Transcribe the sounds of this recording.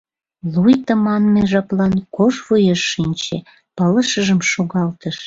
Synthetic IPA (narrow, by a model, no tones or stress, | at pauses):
lujt̪əmɑnmeʒɑplɑnkoʃvujeʃːinʲt͡ɕe | pələʃəʒəmʃoɣɑlt̪əʃ